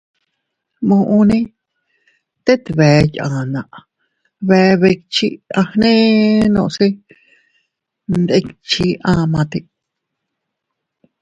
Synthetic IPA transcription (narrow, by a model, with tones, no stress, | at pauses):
mõ˧ʔũ˧nĩ˦ | t̪e˦t̪i˧βe˨˦jã˨nã˨ʔ | βe˧βe˧kt͡ʃi˦ã˧hnẽ˦nõ̰˧ʔsi˦ | nd̪e˧kt͡ʃi˧ã˧mã˧t̪i˧